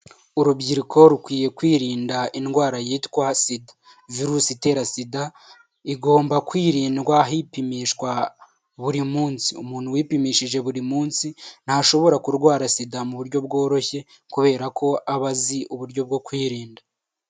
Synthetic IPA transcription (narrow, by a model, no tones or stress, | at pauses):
uɾubɟiɾikʰo̞ɾukwiːje̞kwiːɾiːndaʔinɡwaːɾajiːtkwasidḁ | viɾuːsite̞ːɾasida | iɡo̞ːmbakwiːɾiːndɡwaɦipimiʃkwa | βuɾimuːnsiumuːn̥huwiːpimiːʃiʒe̞βuɾimuːnsin̥haʃo̞βo̞ɾakuɾɡwaːɾasidamuβuɾɟo̞bɡo̞ːɾo̞çe̞ | kuβe̞ːɾakʰo̞ʔaβaziʔuβuɾɟo̞b̚ɡo̞kwiːɾiːnda